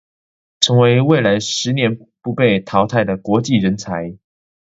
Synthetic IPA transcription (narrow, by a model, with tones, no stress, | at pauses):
ʈ͡ʂʰɤ˧˦ŋwe˧˥ɪwe˥˩ɪla˧˥ɪʂɻ̩˧˦njɛ˧˦n | pu˧˥pe˥˩ɪt̪ʰɑ˧˥ʊt̪ʰa˥˩ɪd̪ə˩kwɔ˧˥t͡ɕi˥˨ɻə˧˦nt͡sʰa˧˦ɪ